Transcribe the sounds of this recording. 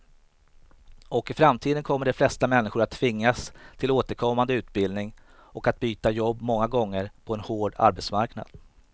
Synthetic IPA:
ʔɔkɪfɾamt̪ʰiːd̪ənkʰɔmːəɖɛflɛst̪amɛnːɪɧʊɾat̪ʰːvɪŋːast̪ʰɪloːt̪əɾkʰɔmːand̪əʉ̟ːt̪̚bɪld̪nɪŋ | ɔkat̪̚byːt̪ajɔbːmɔŋːaɡɔŋːəɾpʰɔɛnhoːɖa̰ɾbɛt̪smaɾkna̰d̪̥

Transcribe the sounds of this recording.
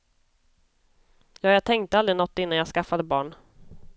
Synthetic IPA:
jɑːjɑt̪ʰɛŋkt̪əald̪ɾɪnɔt̪ːɪnːanjɑːskafad̪əbɑːɳ

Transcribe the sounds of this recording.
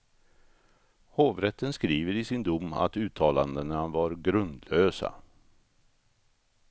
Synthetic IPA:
hoːvɾɛt̪ːənskɾiːvəɾɪsɪnd̪ʊmːa̰t̪ʉ̟ːt̪ʰːɑːland̪ənavaɾɡɾɵnd̪løːsa̰

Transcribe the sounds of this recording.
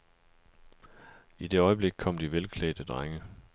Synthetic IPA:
id̥e̝ɒ̽ɪəb̥le̝ɡ̥̚kʰɒ̽m̰d̥iʋelkʰlɛ̰ːd̥əd̥ʁaŋə

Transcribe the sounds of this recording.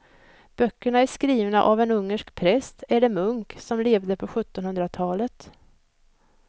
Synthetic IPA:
b̥œkːəɳaæʂkɾiːvna̰ʔavɛnɵŋːəʂkpʰɾɛst̪ʰɛləmɵŋksɔmleːvd̪əpʰɔɧɵt̪ːɔnhɵnd̪ɾat̪ʰɑːlət̪

